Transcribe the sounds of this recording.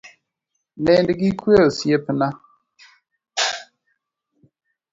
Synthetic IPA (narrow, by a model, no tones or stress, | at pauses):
nɛndiɡikʰwesepəna